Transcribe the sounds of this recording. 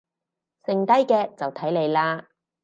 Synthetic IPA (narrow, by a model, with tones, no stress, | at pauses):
sɪ˨ŋt̪ɐ˥jkɛː˧t͡sɐ˨wt̪ʰɐ˨˥jle˨˧jlaː˥